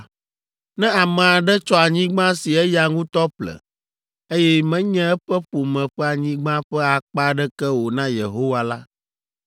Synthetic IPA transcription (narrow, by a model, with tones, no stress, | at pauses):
nɛ̃˦a˨mɛ̃˨a˨ɖɛ˦t͡ʃɔ˦a˨ɲĩ˦ɡ͡bã˦si˨ɛ˦ja˨ŋũ˦t̪ɔ˦ɸlɛ̰˨ | e˦jɛ˦mɛ̃˦ɲɛ̃˦ɛ˦ɸɛ˦ɸo˨mɛ̃˨ɸɛ˦a˨ɲĩ˦ɡ͡bã˦ɸɛ˦a˨k͡pa˦ɖɛ˦kɛ˦wo˨nã˦je˨ɦo˦wa˦la˦